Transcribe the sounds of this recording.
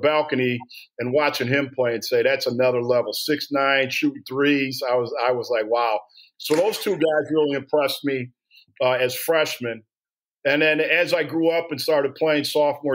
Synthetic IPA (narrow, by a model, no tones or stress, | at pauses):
bælˠkɨniɨ̃nwɑt͡ʃɪ̃ŋɪ̃mpʰl̥eɪɨ̃nseɪðætsənʌðə˞lɛvl̩ˠsɪksnãɪ̃nʃʉθɹizaɪwʌzaɪwʌzlaɪkwaʊ | soʊðoʊz̥tʰʉɡaɪzɹɪlˠiɨ̃mpʰɹ̥ɛst̚mi | ʌɨz̥fɹɛʃmɨ̃n | ɨ̃nðɨ̃nɨzaɪɡɹuʌpɨ̃nstɑɹɾɨd̚pʰl̥eɪɪ̃ŋsɔft̚wɛ